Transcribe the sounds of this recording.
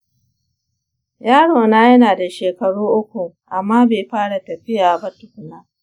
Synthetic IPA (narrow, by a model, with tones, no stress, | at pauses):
jaː˦ɽoː˨naː˦jɐ˦naː˨da˨ʃeː˨kɐ˨ɽuː˦ʔʊ˦kʷu˨ʔa˨mːaː˦beː˨ɸaː˦ɽa˨tɐ˨ɸɪ˦jaː˨bɐ˦tʊ˨kʊ˨naː˦